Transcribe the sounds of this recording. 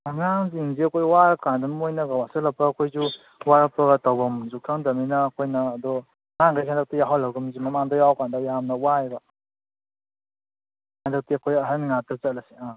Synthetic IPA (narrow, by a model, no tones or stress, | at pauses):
aŋaŋzinziɐkʰojwaɾkandanmojnaɡawasɯlapʰakʰojzu | waɾapɾaɡatawbɐmzukʰaŋdaminɐːkʰojnɐːd̪ɔ | ŋaŋɡajsʰandak̚tijaɦawlawɡɯmzimɐmaŋdɔjawkandɔjamnɐwajba | sandak̚tiakʰojɦaɾmiŋatɯt͡ʃat̚lasia